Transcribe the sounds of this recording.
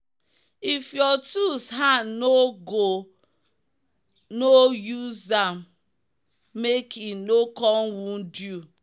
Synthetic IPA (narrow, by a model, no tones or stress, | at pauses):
ifjɔtusɦanoɡo | nojuzam | ekʰinokɔnwundu